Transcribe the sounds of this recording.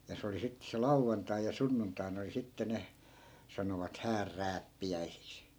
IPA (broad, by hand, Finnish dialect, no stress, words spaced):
jɑ se oli sitːĕ se lɑuʋːɑntɑi jɑ sunːuntɑi̯n oli sitːe ne sɑnoʋɑt hæːrːæːpːiæisiks